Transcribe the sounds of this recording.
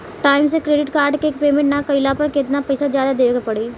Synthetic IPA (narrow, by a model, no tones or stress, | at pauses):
ʈaːɪmsekɾeːɖɪʈkaːɾɖkeːk̚peːmɪ̃ɳʈnakɐɪlapɐɾkɪt̪napɐɪsazjaːd̪ad̪eːʋɡapɐɽeː